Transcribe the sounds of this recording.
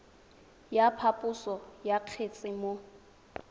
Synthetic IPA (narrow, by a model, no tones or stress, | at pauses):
japʰapʼʊsɔjaq͡χʰet͡sʼɪmo